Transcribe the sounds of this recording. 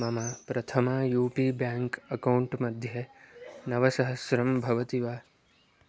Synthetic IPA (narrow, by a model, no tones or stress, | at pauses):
mɐmapɾɐt̪ʰɐmajuːpibjaːŋkɐkɐwuɳʈmɐd̪ʱjɐnɐʋɐsɐɦɐsɾɐmbʱɐʋɐt̪iʋaː